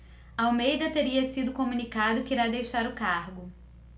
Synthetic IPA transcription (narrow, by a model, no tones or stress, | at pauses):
ɐawmejd̪ɐt̪eɾiɐsid̪ʊkomũnikad̪ʊkɪiɾad̪ejʃaɾʊkaɾɡʊ